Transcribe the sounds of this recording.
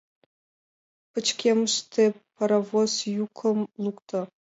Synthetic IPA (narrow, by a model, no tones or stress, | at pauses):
pɨt͡ɕkʲemɨʂt̪ʰepʰɐɾɐvozjukʰəmlˠukt̪ʰa